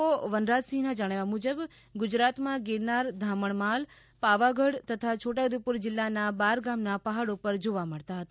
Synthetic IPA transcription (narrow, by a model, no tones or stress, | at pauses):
oʋənɾat̪sĩnad͡ʒəɽ̃eʋamud͡ʒəb | ɡʊd͡ʒɾat̪mãɡeɾnaɾd̪ʱaməɳmal | paʋaɡʱəɽt̪ət̪ʰat͡ʃʰoʈad̪ipuɾd͡ʒɪlːanabaɾɡamnapəɦaɽopəɾd͡ʒoʋaməɭt̪aɦət̪a